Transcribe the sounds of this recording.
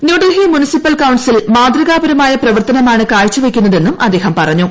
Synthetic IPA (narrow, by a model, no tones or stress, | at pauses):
njuːɖɐɦimunisipːɐlkɐwɳsilmaːd̪rɐɣaːbɐɾɐmaːjɐprɐʋɐrt̪ɐnɐmaːɳɨkaːɻt͡ɕːuʋekʲːunːɐðe̞nːumʔɐ̰d̪ːe̞ːɦɐmpɐrɐɲːu